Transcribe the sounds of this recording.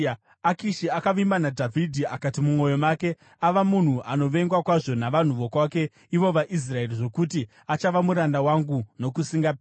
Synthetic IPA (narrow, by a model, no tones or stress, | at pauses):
akiʃiakaʋimbanadʱavʱidʱiakatimumwo̞jo̞make̞ | aʋamun̤uʔano̞ʋe̞ŋɡwakwaʐo̞naʋan̤uʋo̞kwake̞ | iʋo̞ʋaʔis̬rae̞riʐo̞kuti | at͡ʃaʋamuɾandawaŋɡuno̞kusiŋɡap